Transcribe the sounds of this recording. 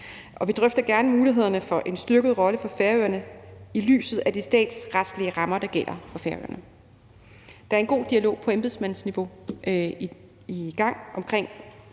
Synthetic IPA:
ʔɒ̽ʋid̥ʁœfd̥ɐɡ̥æɐnəmuːliɦe̝ð̞̰ˠɐnəfɒ̽ʔe̝nsd̥yɐɡ̥ðˠʁɒ̽ləfɒ̽feɐøːɐnəily̰ːsð̩ˠæd̥isd̥ɛ̰ːd̥sʁad̥sliəʁɑ̈mɐd̥ɑ̈ɡ̥el̰ɐfɒ̽feɐø̰ːɐnə | d̥ɑ̈æɐe̝nɡ̥o̝̰ːd̥iælo̝̰ːpʰɒ̽emb̥e̝ðˠsmæn̰n̩sniʋo̝ | iɡ̥ɑ̈ŋ̰ʔɒ̽mkʰʁeŋ̰

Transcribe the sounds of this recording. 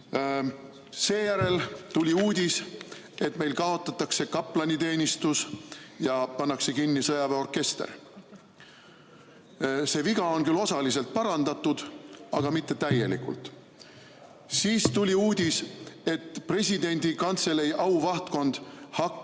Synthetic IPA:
se̞ːjæɾe̞lt̪ulʲiuːd̪̥ʲis | e̞t̪me̞jlkɑo̞t̪ːˑɑt̪ːɑkse̞kɑpːˑlɑnʲit̪e̞ːnʲist̪usjɑpɑnːɑkse̞kinːisɤjɑveo̞rke̞st̪ḛr | se̞ːviɡ̥ɑo̞nkylo̞sɑlise̞lt̪̚pɑɾɑnd̪̥ɑt̪ːˑud̪̥ɑɡ̥ɑmit̪ːe̞t̪æjːe̞lḭkṵlt̪ˑ | siːst̪ulʲiuːd̪̥ʲise̞t̪ːpre̞sʲid̪e̞nʲd̪̥ikɑnt̪se̞lejʔɑwvɑht̪ko̞nd̪̥hɑkː

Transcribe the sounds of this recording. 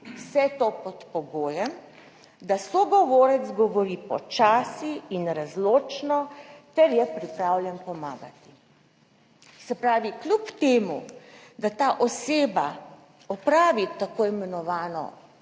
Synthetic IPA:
wsɛt̪opɔt̪pɔɡoːjɛm | d̪asɔɡɔʋoːɾɛzɡɔʋɔɾipɔ̰t͡ʃaːsiːnɾazloːt͡ʃnɔt̪ɛɾjɛpɾipɾaːwlʲjɛnpɔmaːɡat̪i̥ | sɛpɾaːʋiklʲupt̪eːmud̪at̪aːʔɔseːba | ɔpɾaːʋit̪akoːɛmɛnɔʋaːnɔ̰

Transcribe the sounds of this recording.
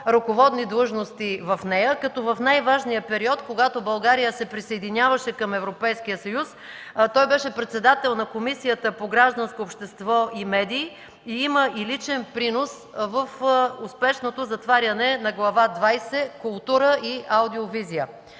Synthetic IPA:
ɾokovɔd̪nid̪lˠɤʒnost̪ivɐfnɛjəkɐt̪ɔvɐfnajvaʒnijəpɛɾiɔt̪koɡat̪obɐlˠɡaɾijəsɛpɾisɐjd̪inʲjavəʃɛkɐmɛvɾopɛjsk̟ijəsɐjus | t̪ɔjbɛʃɛpɾɛt̪sɛd̪at̪ɛlˠnɐkomisijət̪əpoɡɾaʒd̪ɐnskoːpʃt̪ɛst̪vɔʔimɛd̪iː | iiməʔilit͡ʃɛnpɾinosvəfʊspɛʃnot̪ozɐt̪vaɾʲɐnɛnɐɡlˠɐvad̪vajsɛkʊlˠt̪uɾəʔiʔawd̪iovizijə

